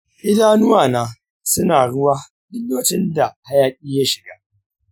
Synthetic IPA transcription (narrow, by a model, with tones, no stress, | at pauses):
ʔɪ˦daː˦nʊ˦waː˨naː˦ | sʊ˦naː˨ɽʊ˦waː˦ | dɪː˦oː˦t͡ʃɪ˦nda˨ha˦jaː˦kʲʼiː˦ja˦ʃɪ˨ɡaː˦